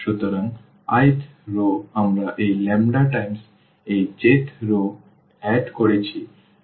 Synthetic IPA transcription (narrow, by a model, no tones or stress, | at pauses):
ʃut̪oɾaŋ | ajt̪ʰɾoamɾaʔejlɛmɖaʈajms | ejd͡ʑet̪ʰɾo | ɛɖkoɾet͡ɕʰi